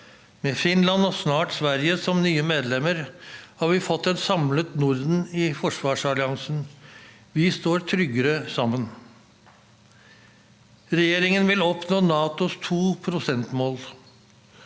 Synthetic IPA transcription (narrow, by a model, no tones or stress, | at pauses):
mɛːfɪnlɑnɔsnɑːʈsʋæɾjəsɔmnyːəmeːd̪lɛmːəɾhɑːɾʋɪfɔt̪ːɛnsɑmlət̪nʊɾd̪n̩ɪfɔʂʋɑːʂɑlɪɑŋsn̩ | ʋɪst̪oːɾt̪ʰɾʏɡəɾəsɑmːən | ɾɛjeːɾɪŋənʋɪlɔpnoːnɑːt̪ʊst̪ʰuːpʰɾʊsɛnt̪moːl